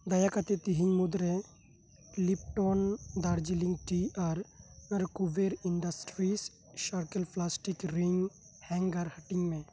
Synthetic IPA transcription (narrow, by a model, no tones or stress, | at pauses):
d̪ɐjakət̪et̪iɦĩŋɡmud̪ɾe | lipʈond̪aɾd͡ʒilĩŋɡʈiɐɾɾkuʋeɾiɳɖəsʈɾis | ʃəɾkəlpʰlasʈikɾiŋɡ | hɛ̃ŋɡəɾhɐʈɪŋɡmẽ